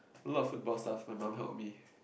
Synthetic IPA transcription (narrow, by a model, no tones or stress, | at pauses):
alɔtfut̚bɔlstafbãnãmɦɛ̰lˠp̚mi